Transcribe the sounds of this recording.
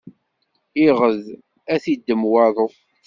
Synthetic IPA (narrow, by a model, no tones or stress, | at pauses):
iʁəð | æθid̪ːəmwɑðˤo